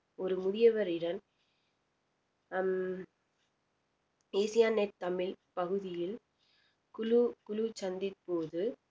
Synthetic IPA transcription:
ɔɾɯmʊðɪjɐʋɐɾɪɽɐn | eːsɪjaːnet̪ːɐmɪlpɐɣɯðɪjɪl | kʊlukʊlut͡ʃɐnd̪ɪt̪̚poːðɯ

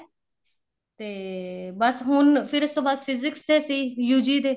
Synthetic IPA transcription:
t̪eːbəsɦʊnpʰɪɾɪst̪õːbaːd̪pʰɪzɪkst̪eːsiːjuːd͡ʒiːd̪eː

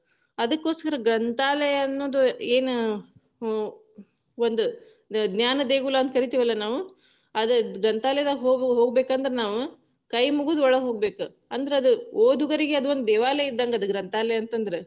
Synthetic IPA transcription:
ɐd̪ɐkːo̞ːskɐɾɐɡɾɐnt̪aːlɛjɐɐnːo̞ːd̪ue̞ːnu | ʋond̪u | ɡ̪njaːnɐd̪eːɡulaːɐnt̪kɐɾit̪iːʋɐlːɐnaːʋu | ɐd̪ɐɡɾɐnt̪aːlɛjɐd̪ɐɦoːɦoːɡ̚beːkɐnd̪ɐɾenaːʋu | kɐjmuɡuːd̪ɔɭɐɦo̞ːɡbe̞ːku | ɐnd̪ɐɾeɐd̪uoːd̪uɡɐɾiɡeɐd̪uʋond̪ud̪ɛːʋaːlɛid̪ːaŋɡɐɐd̪uɡɾɐnt̪aːlɛjɐɐnt̪ɐnd̪ɐɾe̞

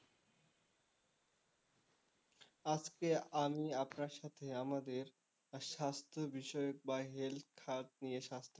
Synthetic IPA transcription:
ad͡zkeamiapnaɕat̪ʰejãməd̪ʱːiːɾ | ɕast̪ɾəbiɕəjək̚baɦelkʰaɾt̪̚nijəɕast̪ɾə

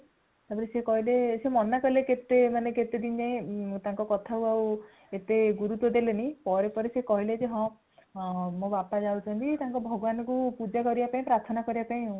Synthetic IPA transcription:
t̪apiɾesekɔɦilesemɔnakɔɦileket̪emaneket̪ed̪ind͡ʒaĩt̪aŋkɔkɔt̪ʰakuaw | et̪eɡuɾut̪wɔd̪elenipɔɾepɔɾesekɔɦiled͡ʒeɦɔ̃ | mõbapad͡ʒawt͡ʃʰɔnt̪it̪aŋkɔbʱɔɡɔbanɔkupud͡ʒakɔɾibapaĩpɾaɾt̪ʰɔnakɔɾibapaĩɦ

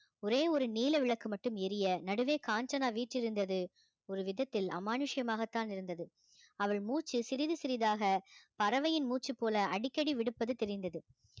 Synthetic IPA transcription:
ɔɾeːɔɾɯniːlɐʋɪɭɐkːɯmɐʈːɯmɛɾɪjɐnɐɽɯʋeːkaːnt͡ʃɐnaːʋiːʈrɪɾɯnd̪ɐðɯ | ɔɾɯʋɪðɐt̪ːɪlɐ̰maːnɯʂɪjɐmaːɣɐt̪ːaːnɪɾɯnd̪ɐðɯ | ɐʋɐɭmuːt͡ʃːɯsɪɾɪðɯsɪɾɪðaːɣɐpɐɾɐʋɐjɪnmuːt͡ʃːɯpːoːlɐʔɐɽɪkːɐɽiʋɪɽɯpːɐðɯt̪ɛɾɪnd̪ɐðɯ

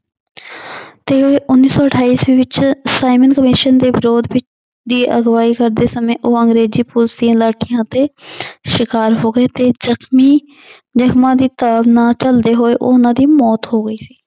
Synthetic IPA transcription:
t̪eːɦoːeːʔʊnːiːsɔːəʈʰaːiːsʋiːʋɪt͡ʃsaːɪmənkəmɪʃənd̪eːbɪɾoːd̪ʋɪt͡ʃ | d̪iːʔəɡʋaːiːkəɾd̪eːsəmẽːʔoːə̃ŋɡɾeːziːpʊlsiãːlaːʈʰijãːt̪eːʃɪkaːɾɦoːɡəeːt̪eːzəkʰmiː | d͡ʒəxmãːd̪iːt̪aːbnãːt͡ʃəld̪eːɦoːeːʔoːnãːd̪iːmɔːt̪ɦoːɡəiːsi̥ː

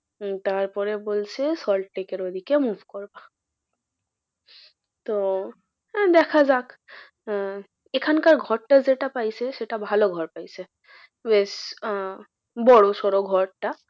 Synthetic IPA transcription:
t̪aɾpɔɾebolsʰesɔlʈʈekeɾod̪ʱikemuvʱkoɹba | t̪o | d̪ɛkʰazak | ekʰankaɾɡʱɔɹʈazeʈapajseʃeʈabʱaloɡʱɔɹpajse | bes | bɔɽosɔɾoɡʱɔɹʈa

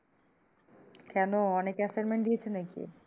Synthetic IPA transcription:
kɛnoɔnekɛsanmeɳʈɖ̪iet͡ɕʰenakḭ

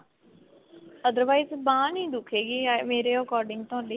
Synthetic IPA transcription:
əd̪əɾʋaːizbãːnĩːd̪ʊkʰeːɡiːameːɾeːəkɔːɾɖɪ̃ŋɡ̚t̪oãːnliː

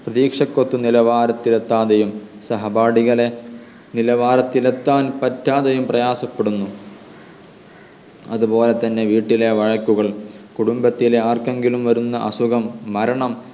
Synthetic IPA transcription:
prɐðiːkʂɐkːot̪ːunilɐʋaːɾɐt̪ːilet̪ːaːðejumsɐɦɐbaːɽiɣɐle | nilɐʋaːɾɐt̪ːilet̪ːaːnpɐtːaːðejumprɐjaːsɐpːeɽunːu | ɐ̰ðupo̞ːle̞t̪ɐnːe̞ʋiːʈːile̞ʋɐɻɐkːuɣɐɭkuɽumbɐt̪ːileaːrke̞ŋɡilumʋɐɾunːɐʔɐsuɣɐmːɐɾɐɳɐm

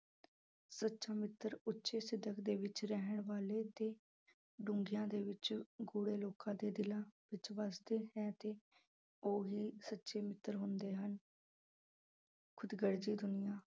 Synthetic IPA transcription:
sətːʃaːmɪt̪ːəɾʊtːʃeːsɪd̪ʱəkd̪eːʋɪt͡ʃɾɛɦəɳʋaːleːt̪eː | ɖʊ̃ŋɡijãːd̪eːʋɪt͡ʃɡuːɽeːloːkãːd̪eːd̪ɪlãːʋɪt͡ʃʋasd̪eːɦɛːt̪eː | oːɦiːsətːʃeːmɪt̪ːəɾɦʊnd̪eːɦən | kʰʊd̪ɡəɾd͡ʒiːd̪ʊnɪjãː

